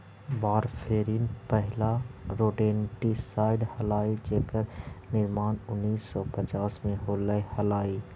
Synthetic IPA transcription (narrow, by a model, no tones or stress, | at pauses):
baːɾpʰeːɾiːnpəɦlaɾoːʈeːnʈisaːɪɖhəlaːid͡ʒekəɾnɪɾmaːnʊnːiːsːɔpət͡ʃaːsmẽɦoːləhəlaːi